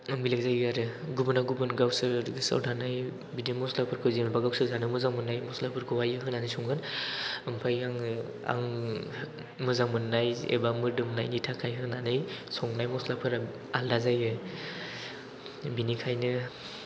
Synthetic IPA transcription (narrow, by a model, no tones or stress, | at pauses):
milak̚zajaɾɯɡubɯnaɡubɯnɡawsɯɾɯsa̰wdʰanaj | bidimɔslapʰɯɾkʰɯwzimbaɡawsɯzanɯmɯzaŋmɯnːajmɔslapʰɯɾɡʰɯwajɯɦɯnanɯjsʰɔŋɡɯnɯmpʰajaŋ | a̰ŋ | mɯzaŋmɯnːajḛbamɯɾdɯmnajnitʰakʰajɦɯnanɯjsɔŋnajmɔslapʰɯɾ | aldazajɯ | binikʰajnɯ